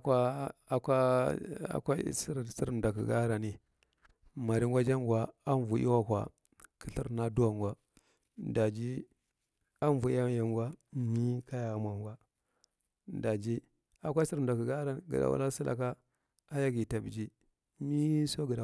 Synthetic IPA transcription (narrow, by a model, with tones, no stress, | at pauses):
ka˦a˨kʷa˦a̰˨kʷa̰˦si˦ɾsi˦ɾnda˨kḭ˨ɡa̰˦ɾa˨ni˨ | ma˨ɾi˦ŋɡʷa˦d͡ʒa˦ŋɡʷa˨a˦nvu˨˦ʔḭ˦wa˦kʷa̰˨ | kʰi˦ɬi˦ɾna˦du˦a˨ŋɡʷa˦˨ | da˨d͡ʒi˦ | a˦˨vu˨i˦a˦ja˨ŋɡʷa˦mi˦ka˦ja˨˦mʷa˨ŋɡʷa˦ | nda˨d͡ʒi˦ | a˨kʷa˦si˦ɾda˨kə˨ɡa˦ɾa˨n˨ɡḭ˨a̰˨wa̰˦la˦si˦lʔa̰˨k̬a˦ | a˦ja˦ɡi˨ta˨bd͡ʒi˦ | mi˦so˦ɡə˨da˨